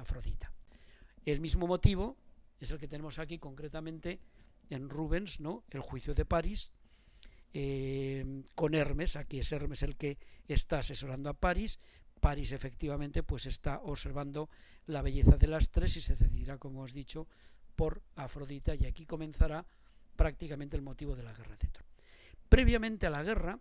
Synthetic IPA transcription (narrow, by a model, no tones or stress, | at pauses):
afɾo̞ðit̪ḁ | e̞lmizmo̞mo̞t̪iβ̞o̞eselket̪e̞ne̞mosakiko̞ŋkɾe̞t̪amẽnt̪e̞enruβe̞nsno̞e̞lxwiθjoðe̞paɾis | e | ko̞ne̞ɾme̞sakiese̞ɾme̞se̞lke̞ːst̪aːse̞so̞ɾand̪oapaɾis | paɾise̞fe̞kt̪iβamẽnt̪e̞pwesest̪aʔoβse̞ɾβand̪o̞laβ̞e̞ʝe̞θaðe̞last̪ɾe̞sise̞ðeθiðiɾako̞moazðit͡ʃo̞po̞ɾafɾo̞ðit̪ajakiko̞mẽ̞nθaɾa | pɾak̚t̪ikamẽnt̪elmo̞t̪iβo̞ð̞e̞laɣ̞e̞raðet̪ɾopɾe̞β̞jamẽ̞nt̪ealaɣ̞e̞ra